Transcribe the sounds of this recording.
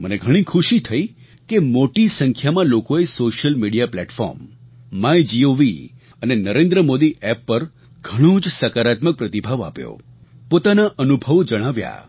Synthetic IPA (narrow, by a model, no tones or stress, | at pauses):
məneɡʱəɽ̃ĩkʰuʃit̪ʰəi | kemoʈisəŋkʰjamãlokoesoʃəlmiɽijaplɛʈfɔ̰ɾm | majd͡ʒioʋi | ənenəɾẽnd̪ɾəmod̪iʔɛpːəɾ | ɡʱəɽ̃õd͡ʒsəkaɾat̪mək̚pɾət̪ibʱaʋa̰pjo̰ | pot̪anaʔənubʱəʋd͡ʒəɽ̃aʋja̰